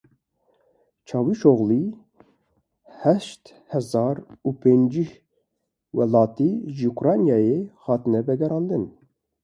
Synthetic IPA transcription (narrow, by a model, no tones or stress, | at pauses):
t͡ʃʰɑːwiʃoɣli | hɛʃt̪ | hɛzɑːɾupʰend͡ʒih | wɛlɑːt̪iʒiukɾɑnjɑːjehɑːt̪ɨnɛvɛɡɛɾɑːnd̪ɨn